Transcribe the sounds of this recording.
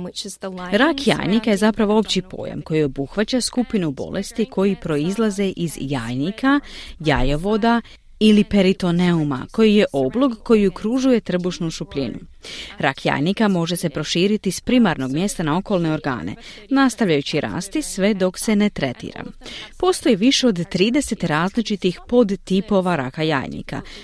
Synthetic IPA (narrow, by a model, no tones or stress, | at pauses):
ɾakja̰ːjnikaje̞zapɾaʋo̞o̞pt͡ɕipo̰ːjḛmko̞jio̞buxʋat͡ɕaskupinubo̞̰lʔe̞st̪ikʰo̞jipɾo̞izlˠaze̞ʔizjaːjnikʰajajo̞ʋo̞d̪a | ilipe̞ɾit̪o̞ne̞uma̰ko̞jije̞ʔo̞blokkːo̞jiukɾuʒuje̞t̪r̩buʃnuʃupʎinṵɾa̰kja̰ːjnikamo̞ʒe̞se̞pɾo̞ʃiːɾit̪ispɾimaɾno̞ɡmje̞st̪anao̞ko̞lˠne̞o̞ɾɡa̰ːne̞̰ | nast̪aʋʎajut͡ɕiɾa̰ːst̪isʋe̞d̪o̞kse̞ne̞t̪ɾe̞t̪ḭːɾa̰po̞st̪o̞jiʋiʃe̞o̞d̪t̪ːɾiːd̪e̞se̞t̪ɾaːzlit͡ʃit̪ixpo̞d̪t̪ipo̞ʋaɾa̰kaja̰ːjnḭka̰